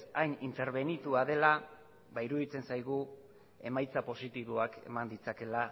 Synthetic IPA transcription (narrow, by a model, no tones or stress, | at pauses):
ajnint̪e̞ɾβe̞nit̪uað̞e̞la | βaiɾuðit͡se̞nsajɣ̞u | e̞majt͡sapo̞sit̪iβoake̞̰mand̪it͡sake̞la